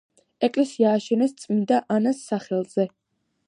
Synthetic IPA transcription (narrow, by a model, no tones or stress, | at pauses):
ɛkʼlɛsiaːʃɛnɛst̪sʼmind̪aʔanasːaχɛlˠz̥ɛ